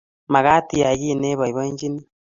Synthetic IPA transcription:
ma˨ɣa˦ti˨ja˨ji˦˨ne˦βa˨i˨βe˦ɲd͡ʒi˦ni˦

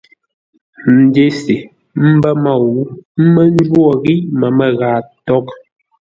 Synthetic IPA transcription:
n̩˨de˦se˨ | m̩˦bɛ˦ma˦˨wu˦m̩˦mɛ˦n̩˦d͡ʒwwɔ˦˨ɣi˦mɛ˨mɛ˨ɣaː˨tɔ˦k̚

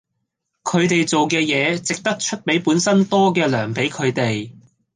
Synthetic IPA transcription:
kʰɵ˨˧ɥt̪e˨jt͡so˨wkɛː˧jɛː˨˧t͡sɪ˨k̚t̪ɐ˥k̚t͡ʃʰɵ˥t̚pe˨˥jpuː˨˥nsɐ˥nt̪ɔː˥kɛː˧lœː˨˩ŋpe˨˥jkʰɵ˨˧ɥt̪e˨j

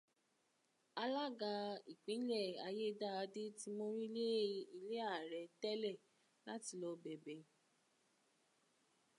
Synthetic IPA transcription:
a˧la˦ɡa˧i˨k͡pĩ˨˦lɛ˦˨a˧je˦da˦a˧de˦ti˦mo˧ɾi˦le˦i˧le˦a˦˨ɾɛ˨dɛ˦lɛ˦˨ | la˨˦ti˧lɔ˧bɛ˨bɛ˨

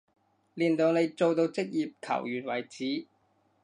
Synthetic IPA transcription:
liː˨nt̪o˨wne˨˧jt͡so˨˧wt̪o˧wt͡sɪ˥k̚jiː˨p̚kʰɐ̰˨˩wjyː˨˩n̚wɐ˨˩jt͡siː˨˥

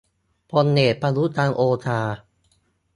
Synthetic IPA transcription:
pʰo˧nːeː˨˩t̪̚pʰa˧lu˦˥t̪ʰːaː˧ŋʔoː˧t̪ʰaː˧

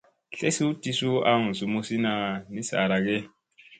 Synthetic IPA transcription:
ɬe˦si˦u˦ti˦su˦a˦ŋu˨su˨mu˦si˦na˨ni˦sa̰˨ɾa˨ɡe˦

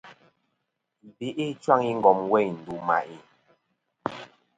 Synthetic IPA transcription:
bi˨ʔi˦t͡ʃwa˦ŋi˦ŋ̩˨ɡɔ˨mwɛ˦˨jn̩˨du˨ma̰˨ʔi˨

